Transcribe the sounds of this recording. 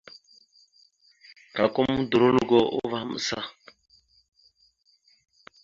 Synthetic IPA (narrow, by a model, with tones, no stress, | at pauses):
ka˨ko˦mu˦du˨ɾo˦lu˦ɡɔ˦ʔo̰˦va˦m̩˨sa̰˦